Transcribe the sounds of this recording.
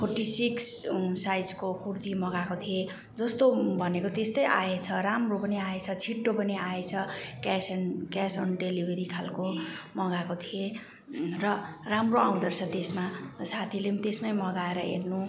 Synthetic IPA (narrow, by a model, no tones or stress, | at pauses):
pʰorʈisikssajd͡zkokurt̪imʌɡakot̪ʰie | d͡zʌst̪obʱʌnekot̪est̪ʌjʔaet͡sʰʌramropʌniaet͡sʰʌt͡sʰiʈːopʌniaet͡sʰʌkasnkasʌnɖelibʱeɾikʰalkomʌɡakot̪ʰie | rʌ | ramroaw̃d̪ʌrt͡sʰʌt̪esmasat̪ʰilemt̪esmajmʌɡaeɾʌ̰ḛrnu